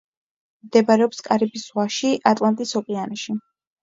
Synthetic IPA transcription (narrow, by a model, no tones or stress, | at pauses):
md̪ɛbaɾɛɔpskʼaɾibiswaʃiʔat̪ʼlˠant̪ʼisɔpʼianiʃi